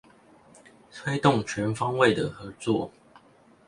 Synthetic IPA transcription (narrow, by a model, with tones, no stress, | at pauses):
t̪ʰwe˦ɪt̪ʊ˥˨ŋt͡ɕʰɥɛ˨˦nfɑ˦ŋwe˥˨ɪd̪ə˩xɤ˨˧˦t͡swɔ˥˨